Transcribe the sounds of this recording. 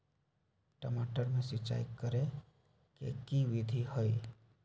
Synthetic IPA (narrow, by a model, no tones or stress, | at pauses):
ʈəmaʈəɾmẽsit͡ʃa̰ikːəɾe | kḛkiʋid̪ʱihəj